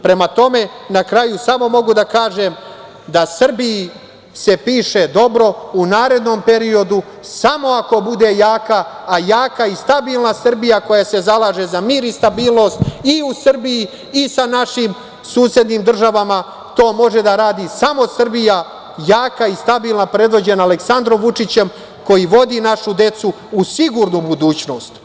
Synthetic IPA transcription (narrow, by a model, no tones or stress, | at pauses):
pɾe̞mat̪o̞me̞nakɾajusamo̞mo̞ɡud̪akaːʒe̞m | d̪asr̩biji | se̞piːʃe̞d̪o̞bɾo̞unaːɾe̞d̪no̞mpe̞ɾio̞d̪u | samo̞ako̞bud̪e̞jaːkaːjaːkaist̪abiːlˠnasr̩bijako̞jase̞zalˠaːʒe̞zamiːɾist̪abiːlˠno̞st̪iusr̩bijiː | sanaʃim | suːsje̞d̪niːmd̪r̩ʒaʋama | t̪o̞ːmo̞ʒe̞d̪aɾaːd̪isamo̞sr̩bija | jaːkaist̪abiːlˠnapɾe̞d̪ʋo̞d͡ʑe̞naːle̞ksand̪ɾo̞mʋut͡ʂit͡ɕem | ko̞jiʋo̞d̪inaʃud̪e̞t̪su | usiɡuːɾnubud̪uːt͡ɕno̞ːst̪